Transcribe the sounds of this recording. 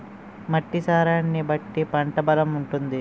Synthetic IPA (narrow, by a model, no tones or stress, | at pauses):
mɐʈːisaːɾaːnːibɐʈːipɐɳʈɐbɐlɐmuɳʈund̪i